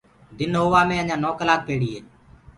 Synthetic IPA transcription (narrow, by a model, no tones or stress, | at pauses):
d̪ɪnɦoːʋaːmẽːəɲãːnoːkəlaːk̚peːɽiːɦeː